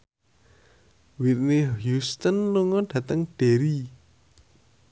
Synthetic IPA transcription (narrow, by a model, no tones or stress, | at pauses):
wit̪̚nihjust̪ənluŋɔɖ̥ä̤t̪əŋɖ̥e̤ɾi